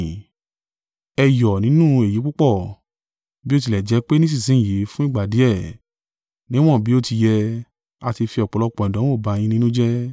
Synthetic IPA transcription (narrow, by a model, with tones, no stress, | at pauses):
ɛ˧jɔ˨nĩ˨˦nũ˦e˨ji˨˦k͡pu˦k͡pɔ˦˨ | bi˦o˦ti˧˨lɛ˨d͡ʒɛ˨˧˦k͡pe˦nĩ˦s̬ĩ˦˨sĩ˨˦˨je˨˦fũ˦ĩ˦˨ɡ͡ba˨di˨˦ɛ˦˨ | nĩ˦w̃ɔ̃˦˨bi˨˦o˦˨ti˧jɛ˧ | a˧ti˧fi˧ɔ˨k͡pɔ˨lɔ˧k͡pɔ̃˨dɔ̃˨˦o˦˨ba˧ɲ̃ĩ˧nĩ˦nũ˦d͡ʒɛ˦